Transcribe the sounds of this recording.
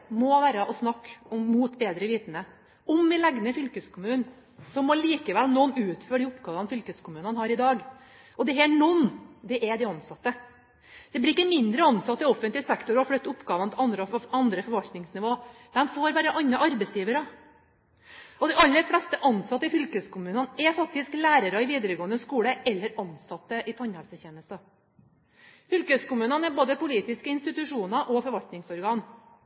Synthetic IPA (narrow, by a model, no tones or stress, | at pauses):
mɔʋæːɾəʔɔsnɑkːɔmːuːt̪beːd̪ɾəʋiːt̪nə | ɔmːɛlæɡnəfʏlkəskʰʊmʉːn | sɔmːɔliːkəʋɛlnɔnʉːt̪føːɖɪʊpɡɑːʋɑnfʏlkəskʰʊmʉːnənhɑːɾɪd̪ɑːɡ | ɔd̪ɛɦɛɳɔnd̪ɛʔɛd̪ɪɑnsɑt̪ːə | d̪̥ɛblɪɾɪkːəmɪnd̪ɾəɑnsɑt̪ːɪɔfənt̪lɪsɛkt̪ʊɾɔflœt̪ːʊpːɡɑːʋənt̪ʰɑnd̪ɾəɑnd̪ɾəfɔɾʋɑlt̪nɪŋsnɪʋoːd̪̥ɛmfoːɾʋæɾəʔɑnːɑʔɑɾbɛɪsjiːʋəɾə | ɔd̪ɛɑlːəɾflɛst̪əʔɑnsɑt̪ːəɪfʏlkəskʰʊmʉːnənɛfɑk̚t̪ɪsklæːɾəɾɑɪʋiːd̪əɾəɡoːənd̪əskuːləʔɛlːəɾɑnsɑt̪ːəʔɪt̪ʰɑnhɛlsəçeːnəst̪ɑ | fʏlkəskʊmʉːnənɛboːd̪əpʊliːt̪ɪskəɪnst̪ɪt̪ʉʂuːnɑʔɔfɔɾʋɑlt̪nɪŋsɔɾɡɑːn